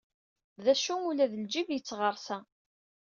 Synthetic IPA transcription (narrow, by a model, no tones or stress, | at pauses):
ðæʃuulæðəld͡ʒivjət͡sːʁəɾˤsæ